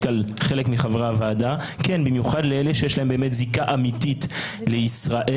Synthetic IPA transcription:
alχelekmiχavʁavaːda | kenbimjuχadleeleʃejeʃlaembeːmetzikaʔamitit | leisʁaʔe

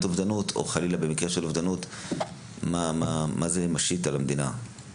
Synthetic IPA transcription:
t̪ovd̪anut̪ʰo̰χalilabemikʁeʃelovd̪anut̪ | mamamazemaʃit̪alamd̪ina

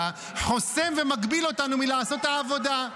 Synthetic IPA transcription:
a | ħo̞se̞mve̞maɡbilo̞tanumilaːso̞t̪aːvo̞da

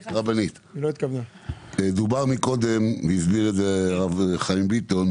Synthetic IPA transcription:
ʁabanit̪iloit̪kavna | ed̪ubaʁmiko̞d̪emveizbiʁezeʁavχaimbit̪on

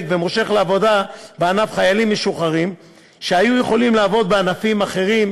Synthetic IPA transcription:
kvemoʃe̞χleavo̞d̪abeanafχajalimːeʃuχaʁim | ʃeajujeχo̞limleːvo̞d̪̚beanafimaχe̞ʁim

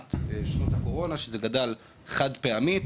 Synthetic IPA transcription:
t̪ʃnothako̞ʁo̞naʃezeɡadal | χadpeami

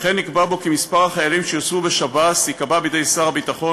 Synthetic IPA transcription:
χenːikbabo̞kimispaʁhaχajalimʃejot͡svubeʃabasikababidejsaʁabitaχo̞

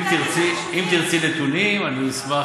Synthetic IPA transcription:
mt̪iʁt͡si | imt̪iʁt͡sinet̪unimaniisma

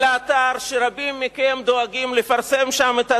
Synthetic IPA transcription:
leat̪aʁʃeʁabimːikemd̪oaɡimlefaʁse̞mʃamet̪a

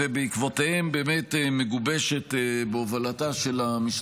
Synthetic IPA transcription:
ebeikvotehembeːme̞temeɡubeʃe̞tebeovalataʃelamis

